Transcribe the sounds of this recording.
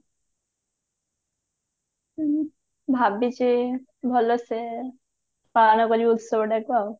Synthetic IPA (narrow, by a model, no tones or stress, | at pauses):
bʱabit͡ʃi | bʱɔlose | panɔkɔɾibut̪sɔbɔɖɛkbao